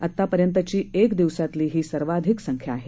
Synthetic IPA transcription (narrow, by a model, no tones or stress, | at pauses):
at̪ːapəɾjənt̪ət͡ɕiːekd̪iʋsat̪liːɦiːsəɾʋad̪ʱiksəŋkʰjaːɦe